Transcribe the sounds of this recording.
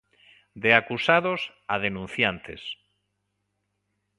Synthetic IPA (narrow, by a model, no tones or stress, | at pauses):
d̪eakusaðos | aðenũn̟θjant̪es